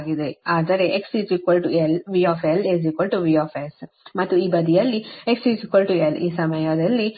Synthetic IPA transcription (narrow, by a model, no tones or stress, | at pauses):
ɡid̪eaːd̪ɐɾe̞ʔeksid͡ʒikʋɐlʈuelʋiːaːfeliziːkʋɐlʈuʋiːaːfes | mɐt̪ːuiːbɐd̪ijɐlːieksid͡ʒikʋɐlʈueliːsɐmɐjɐd̪ɐlːi